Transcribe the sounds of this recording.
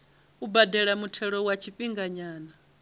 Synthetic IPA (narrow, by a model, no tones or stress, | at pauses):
ubadɛɺamutʰɛɺɔwat͡ʃʰiɸiŋɡaɲaːna